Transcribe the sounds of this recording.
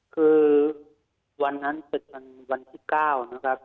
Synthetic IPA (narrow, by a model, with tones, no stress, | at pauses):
kʰɯː˧ | wa˧nːa˦˥˨npe˨˩t̪̚ka˧n | wa˧nt̪ʰiː˧˩kaː˧˥˩wnɔ˧˥˩kʰa˦˥p̚